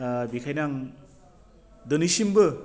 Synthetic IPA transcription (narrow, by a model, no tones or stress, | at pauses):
bikʰajnaŋ | dɯnisimbɯ